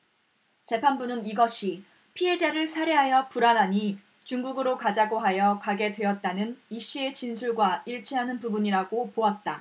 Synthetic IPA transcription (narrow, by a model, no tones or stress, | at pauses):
t͡ɕe̞pʰanbunɯniɡʌɕʰi | pʰiɦe̞d͡ʑeɾɯɭsʰaɾeɦajʌpuɾanɦaɲi | t͡ɕuŋɡuɡɯɾokad͡ʑaɡoɦajʌkaɡe̞dwe̞ʌt̚t͈anɯniɕ͈ie̞t͡ɕinsʰuɭɡwaiɭt͡ɕʰiɦanɯnpubuɲiɾaɡopoat̚t͈a